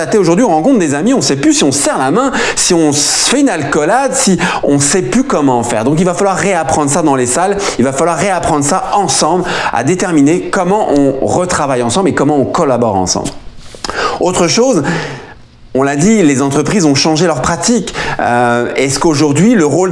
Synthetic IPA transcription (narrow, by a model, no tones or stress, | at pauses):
at̪eoʒuʁd̪ɥiɔ̃ʁɑ̃kɔ̃t̪χd̪ezamiɔ̃sɛplysiɔ̃sɛʁlamɛ̃siɔ̃sfɛynalkɔlad̪siɔ̃sɛplykɔmɑ̃ːfɛ̰ʁd̪ɔ̃k̬ilvafalwaʁːeapχɑ̃d̪ʁəsad̪ɑ̃lesalilvafalwaʁːeapχɑ̃d̪ʁsaɑ̃sɑ̃bla̰d̪et̪ɛʁminekɔmɑ̃ʔɔ̃ʁət̪χavajɑ̃sɑ̃blekɔmɑ̃ɔ̃kɔlabɔʁɑ̰̃sɑ̰̃bl | ot̪χəʃoz | ɔ̃lad̪ilezɑ̃t̪χəpχizɔ̃ʃɑ̃ʒelœʁpχat̪ikø̰ɛskoʒuʁd̪ɥiləʁol